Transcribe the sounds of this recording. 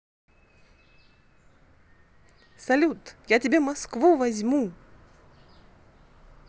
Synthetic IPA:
sɐlʲut̪jatʲɪbʲemɐskvuvɐzʲmu

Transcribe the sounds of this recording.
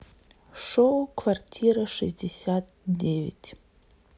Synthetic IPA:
ʂowkʰvartʲʰiɾaʂɨsdʲesʲat̚ | devʲḭtʲʰʼ

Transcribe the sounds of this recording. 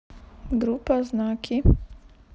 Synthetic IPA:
ɡɾupaznaːkʰi

